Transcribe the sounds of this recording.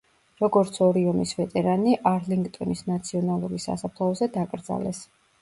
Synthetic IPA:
ɾɔɡɔɾt̪sʰɔɾiɔmisvɛt̪ʼɛɾaniʔaɾliŋɡt̪ʼɔnisnat̪sʰiɔnalˠuɾisːa̰sapʰlˠɔɔzɛd̪akʼɾd̪za̰lɛs

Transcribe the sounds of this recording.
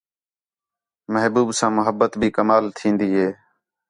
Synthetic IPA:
məɦbuːbsãːmʊɦəbːət̪bʱiːkəmaːlt̪ʰĩːnd̪iːɦeː

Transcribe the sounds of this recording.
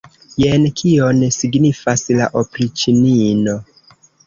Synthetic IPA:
jenkʰio̞nsiɡnifaslaʔopɾit͡ʃinino̞

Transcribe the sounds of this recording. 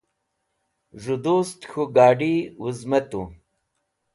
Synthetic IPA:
ʐud̪ust̪xuɡaːɖiwuzmɐt̪ṵ

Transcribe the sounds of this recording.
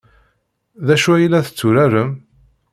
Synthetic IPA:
ðæʃuæjlːæθə̥t͡sːuɾæɾəm

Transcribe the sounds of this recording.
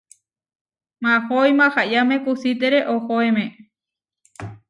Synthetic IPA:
mãhojmãhaʔjamẽkusit̪eɾeʔohoemẽ

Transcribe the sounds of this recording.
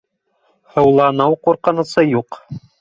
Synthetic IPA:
hɤ̆wlˠɑnɤwquɾqɤ̆nɤ̆sɤjuq

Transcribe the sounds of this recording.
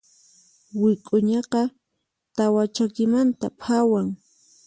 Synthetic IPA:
wɪkʼʊɲɑqɑ | t̪awat͡ʃakɪmant̪a̰pʰawaŋ

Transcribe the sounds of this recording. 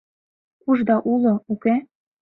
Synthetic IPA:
kuʒd̪ɑʔulˠŏuke

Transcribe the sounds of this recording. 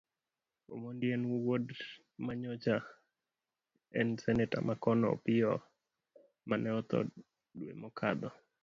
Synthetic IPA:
o̰mondjenwuwod | maɲɔt͡ʃa | ɛnsɛnɛta̰makɔnɔ̰pɪɔ | manɛɔt̪ɔ̰ | dwḛmɔkʰa̰d̪ɔ

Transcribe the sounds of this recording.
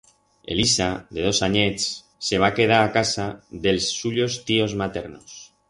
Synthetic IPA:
e̞̰lisaðe̞ð̞o̞saɲe̞t͡sː | e̞β̞ake̞ð̞aɾakasaðe̞lsːuʎo̞st̪io̞zmat̪e̞ɾnos

